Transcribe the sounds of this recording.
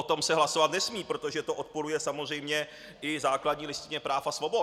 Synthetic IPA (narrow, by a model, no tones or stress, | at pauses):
ot̪o̞msɛɦlaso̞vat̪nɛsmiːpɾot̪o̞ʒɛt̪oʔot̪̚poɾujɛsamor̝ɛjmɲɛ | ʔɪzaːkladɲiːlɪst̪ɪɲɛpɾaːfasvo̞bo